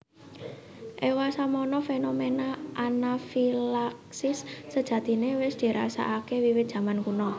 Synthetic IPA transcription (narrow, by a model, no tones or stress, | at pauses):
ʔewasamɔnɔfenomenaʔanafilaksɪsːəd̥ʒ̥ä̤t̪inewɪsd̪̥i̤ɾʔa̰sa̰ʔakewiwɪt̪̚d̥ʒ̥ä̤mankunɔ